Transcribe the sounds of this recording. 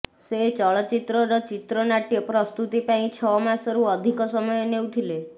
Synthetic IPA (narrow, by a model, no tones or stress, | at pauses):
set͡ʃɔɭɔt͡ʃit̪ɾɔɾɔt͡ʃit̪ɾɔnaʈijɔpɾɔst̪ut̪ipaĩt͡ʃʰɔmãsɔɾuɔd̪ʱikɔsɔmɔjenewt̪ʰile